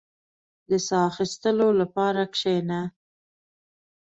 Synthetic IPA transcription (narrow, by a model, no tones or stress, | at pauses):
d̪əsɑːxist̪əlolapɑɾakʂena